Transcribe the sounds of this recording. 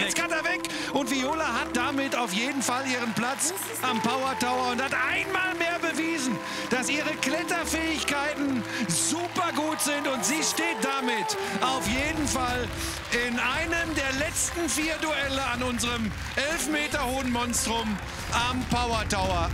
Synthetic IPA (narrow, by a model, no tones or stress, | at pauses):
ɛt͡skatavɛk | ʊntv̥ioːlaɦat̚d̥amɪtaʊfjeːdn̩faliːʁənplat͡s | ʔampaʊɐtaʊɐʊnthatʔaɪnmaːlmeːɐbəviːzn̩ | d̥asʔiːʁəklɛtɐfɛːɪçkaɪtn̩zuːpɐɡuːtz̥ɪntʊntz̥iːʃteːt̚d̥amɪt | ʔaʊfjeːdn̩fal | ʔɪnʔaɪnəmdeːɐlɛt͡stn̩fiːɐduɛləanʊnzəʁəm | ʔɛlfmeːtɐhoːənmɔnstʁ̥ʊm | ʔampʰaʊɐtaʊɐ